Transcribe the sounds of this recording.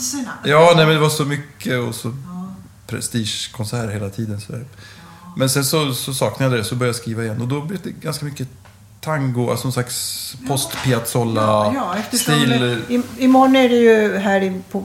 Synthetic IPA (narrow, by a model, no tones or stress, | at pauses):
jɑːnɛmɛnd̪ɛvaʂɔmʏkːəɔsɔ | pʰɾɛ̰st̪iːʂkʰɔnsæːɾheːlat̪ʰiːd̪ənsɔd̪æ̰ːɾ | mɛnsɛnsɔsɔsɑːknajad̪ɛd̪ɛsɔbœɾjajskɾiːvaɪjɛnːɔd̪ɔblɛfd̪ɛɡanskamʏkːə | t̪ʰaŋɡʊa̰lsɔnɔnslakspʰɔst̪pʰɪat̪sɔlːajɛst̪ʰɪlɪmɔɳəɛɖɛjɵɦæːɾɪpʰɔ